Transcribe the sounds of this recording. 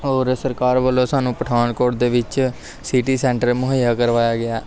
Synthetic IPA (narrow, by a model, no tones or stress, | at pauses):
oːɾsəɾkaːɾʋəlːõːsaːnũːpəʈʰaːnkoːʈ̚d̪eːʋɪt͡ʃ | siʈiːsɛ̃ːɳʈəɾmʊɦəjjaːkəɾʋaːjaːɡɪaː